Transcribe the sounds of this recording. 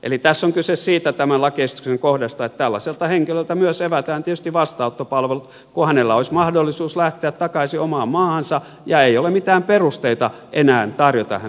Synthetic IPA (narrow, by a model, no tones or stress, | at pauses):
ʔḛlit̪æsːoŋkysessiːt̪æt̪æmænlɑkeist̪y̥kseŋkohdɑst̪ɑet̪t̪ælːɑselt̪ɑheŋkilølt̪æmyøseʋæt̪æːnt̪iet̪y̥st̪iʋɑst̪ɑut̪ːopɑlʋelut̪ | kuhænelːæoismɑhdolːisuːslæht̪eæt̪tɑkɑisiomɑːmmɑːhɑnsɑ | jɑeijolemit̪æːmperust̪eit̪ɑ | ʔenæːnt̪ɑrjot̪ɑ̰hæ